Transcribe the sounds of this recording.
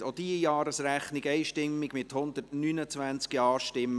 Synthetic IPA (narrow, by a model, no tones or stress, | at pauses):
od̥̪iəjɑːɾəsɾæχnɪɡɛɪʃtɪmːiɡmɪt̪hʊnd̪ətnynət͡sʋænt͡skiɑːʃtɪmː